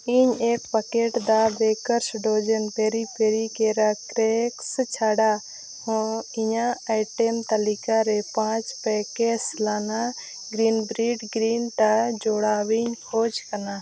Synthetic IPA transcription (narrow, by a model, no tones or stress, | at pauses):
iɲekpəkeʈd̪abekəɾsɖod͡ʒənpeɾipeɾikeɾakɾɛkst͡ʃʰaɽa | hɔ̃iɲaajʈɛmt̪ɐlikaɾɛpãt͡ʃpɛkeslana | ɡɾinbɾiɖɡɾinʈ̪ad͡ʒɔɽawiɲkʰod͡ʒkɐna